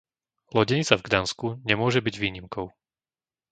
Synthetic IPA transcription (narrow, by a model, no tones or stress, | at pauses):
lɔɟɛɲit͡savɡd̪anskuɲɛmʊɔʒɛbiɟʋiːɲimkɔʊ